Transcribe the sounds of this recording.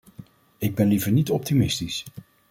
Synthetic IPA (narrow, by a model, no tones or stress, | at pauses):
ɪɡ̚bɛnlivəɹnitɔp̚timɪstis